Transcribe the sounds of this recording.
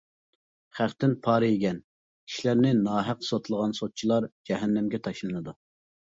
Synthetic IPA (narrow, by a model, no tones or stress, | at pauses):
χæχt̪ɪnpʰɑːɾɨeɡʲɛn | kʲʰi̥ʃlæɾnɪnɑːɦæqsot̪lˠəʁɑnsot̪̚t͡ʃʰilˠɑɾd͡ʒɛɦɛnːɛmɡʲɛt̪ʰɑʃlˠɨnɨd̪u